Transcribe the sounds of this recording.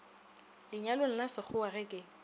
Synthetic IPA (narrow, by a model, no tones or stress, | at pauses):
lɪɲalʊŋ̩lasɪχʊarɪkʼɪ